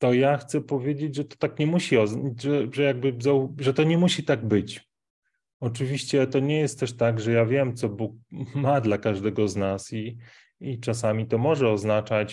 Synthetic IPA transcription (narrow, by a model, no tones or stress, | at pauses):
t̪ɔjaxt̪sɛpɔvʲjed͡ʑed͡ʑʐɛt̪ɔ̥t̪akɲɛmuɕiɔzʐɛʐɛjaɡ̚bɘzaʐɛt̪ɔɲɛmuɕit̪aɡbɘt͡ɕ | ɔt͡ʂɘvʲiɕt͡ɕɛt̪ɔɲɛjɛst̪̚t̪ːɛʂt̪aɡʐɛjavʲjɛmt̪sɔbuk̚mad̪lakaʐd̪ɛɡɔznasi | it͡ʂas̬amʲit̪ɔmɔʐɛɔznat͡ʂat͡ɕ